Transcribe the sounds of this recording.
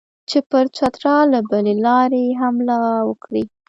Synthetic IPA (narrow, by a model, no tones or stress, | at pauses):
t͡ʃepəɾt͡ʃat̪ɾɑlabəlelɑɾeɦamlɑwəkɽi